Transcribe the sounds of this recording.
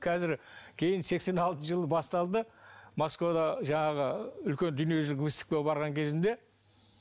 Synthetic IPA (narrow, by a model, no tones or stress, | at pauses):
kʲʰæzɪɾkʲʰe̞jɪnse̞kse̞nɑlˠt̪əʒəlˠəbɑst̪ɑlˠd̪əmo̞skvod̪ɑʒɑɴɑʁəʏlkʲe̞nd̪ʏnije̞ʒɪlɪkvist̪ɪ̥k̚t̪ebɑɾʁɑŋkʲʰe̞zɪnd̪e̞